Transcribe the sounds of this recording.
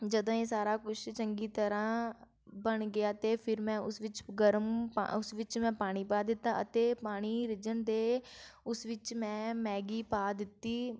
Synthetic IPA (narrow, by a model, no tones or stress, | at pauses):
d͡ʒəd̪õːeːsaːɾaːkʊʃt͡ʃəŋɡiːt̪əɾãː | bəɳɡɪjaːt̪eːpʰɪɾmɛ̃ːʊsʋɪt͡ʃɡəɾəmpa̰ʊsʋɪt͡ʃmɛ̃ːpaːɽ̃iːpaːd̪ɪt̪ːaːʔət̪eːpaːɽ̃iːɾɪd͡ʒənd̪eːʊsʋɪt͡ʃmɛ̃ːmɛ̃ːɡiːpaːd̪ɪt̪ːiː